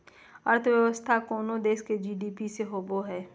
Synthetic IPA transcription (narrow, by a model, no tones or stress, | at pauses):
əɾt̪ʰəʋjəʋəst̪ʰakoːnod̪eːʃked͡ʒiːɖiːpiseɦoːboɦɛː